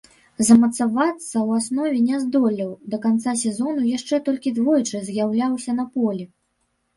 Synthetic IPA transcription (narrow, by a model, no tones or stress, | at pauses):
zɐmɐt̪savat̪sːɐwasnɔvʲɛnʲɛzd̪ɔlʲiwd̪ɐkant̪sasʲɛzɔnujaʂt͡ʂɛt̪ɔlʲkʲid̪vɔjt͡ʂɨzjawlʲawsʲɐnɐpɔlʲi